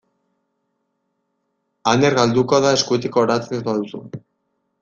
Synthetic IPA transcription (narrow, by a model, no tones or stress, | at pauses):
aneɾɣald̪uko̞ðae̞skuet̪̬ekoːɾat͡seezbaðusṵ